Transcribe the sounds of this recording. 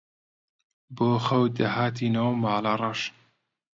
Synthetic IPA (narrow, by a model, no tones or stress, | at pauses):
boːxɐwd̪ɐɦaːt̪inowmaːlɑrˤɑʃ